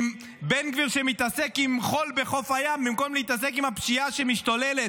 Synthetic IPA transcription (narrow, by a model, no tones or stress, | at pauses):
m | benkviʁʃemit̪ase̞kimχo̞lbe̞χo̞fajamːimko̞mleit̪ase̞kimapʃiaʃe̞miʃtolelet̪